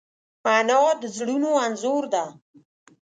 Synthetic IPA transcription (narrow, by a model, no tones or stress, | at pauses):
manɔd̪əzɽunoanzoɾd̪a